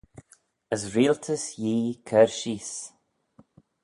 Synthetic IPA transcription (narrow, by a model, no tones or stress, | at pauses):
əsɾiːlt̪ʰəsjiːkʰɛɹʃiːs